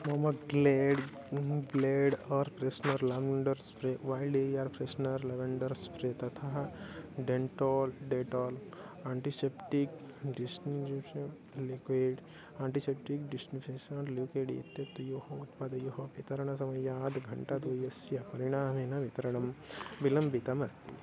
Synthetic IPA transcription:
mɐmɐkɡleːɖ | ɡleːɖɐɾpɾesnɐɾlɐʋɳɖɐɾspɾeʋaːjlɖeiaːɾpɾesnɐɾleʋɐɳɖɐɾspɾet̪ɐt̪ʰaɦɖeɳʈoːlɖeːʈoːl | aːɳʈisepʈikɖisniuʂɐn | likʋeɖ | aːɳʈisep̚ʈikɖisnifʰesɐ̃ʈluːkeːɽḭḭt̪jɐt̪ːjohɐut̪pad̪ɐjoɦɐʋit̪ɐɾɐɳ̃ɐsɐmɐjɐːd̪ɡʱɐɳʈad̪oːjɐsjɐpɐɾiɽ̃aːmeːnɐʋit̪ɐɾɐɳɐmbilɐmbit̪ɐmɐst̪ḭ

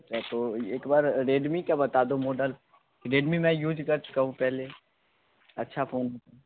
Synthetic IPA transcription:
t͡ʃat̪oːeːkbaːɾɾeːɖmikabɐt̪aːd̪õmoːɖəl | kiɾeːɖmĩmɛ̃juːd͡ʒkɐɾt͡ʃʊ̥kaɦũpɛɦle | ɐtːʃʰafoːnɦot̪ã

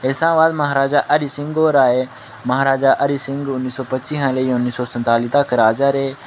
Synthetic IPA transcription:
eːsãːʋaːd̪məɦaɾaːd͡ʒaːʔəɾisɪ̃ŋɡoːɾaːeː | məɦaːɾaːd͡ʒaːʔəɾiːsɪ̃ŋɡʊnːiːsoːpət͡ʃiɦãːlẽːʊnːiːsoːsə̃nt̪aːliːt̪aːkəɾaːd͡ʒaːɾeː

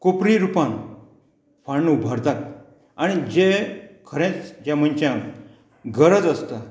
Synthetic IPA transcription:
kopɾiɾupãŋ | faɳːubʱaɾt̪at̪̚ | aɽ̃id͡ʑekʰəɾẽt͡sd͡ʑjãm̤ənt͡ɕjã | ɡəɾəd͡zəst̪a

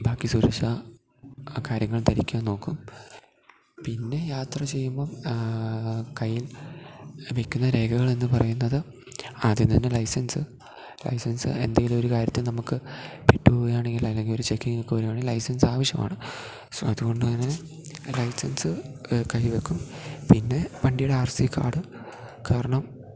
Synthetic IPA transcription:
baːkːisuɾeʂa | kaːɾjɐŋːɐɭt̪ɐɾikʲːuanno̞ːkːum | pinːe̞jaːt̪rɐt͡ɕe̞jːumbo̞ː | kɐjːil | ʋe̞kʲːunːɐɾe̞ːɡɐɣɐɭenːɨpɐrɐjunːɐðɨ | ɐðinːɐnːelɐjsɐnsɨ | lɐ̰jsɐnsɨ̰e̞̰nd̪ɐŋɡilumo̞ɾukaːɾjɐt̪ːɨnɐmukːɨpeʈːɨpoːɐjaːɳe̞ŋɡilɐlːe̞ŋɡilo̞ɾut͡ɕekːiŋɐkːɨʋɐɾumaːɳilɐjsɐnsaːʋɐɕjɐma̰ːɳɨ | so̰ːɐðuɣo̞ɳɖɨt̪ɐnːe | lɐjsɐnsɨkɐjʋe̞kʲːumpinːe̞pɐɳɖijuɽeaːrsikʰːa̰ːɽɨ | kaːɾɐɳɐm

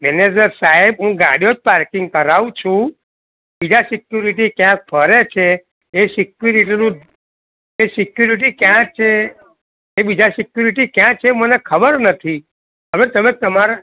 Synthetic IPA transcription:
mɛned͡ʒəɾsaɦɛbɦũɡa̰ɽijod͡ʒpaɾkiŋɡkəɾaʋũt͡ʃʰũ | bid͡ʒasikjuɾiʈikjãk̚pʰəɾet͡ʃʰe | esikjuɾiʈinũ | esikjuɾiʈ̬ikjãt͡ʃʰeː | bid͡ʒasikjuɾiʈikjãt͡ʃʰemənekʰəbəɾnət̪ʰi | əʋet̪əmet̪əmaɾa

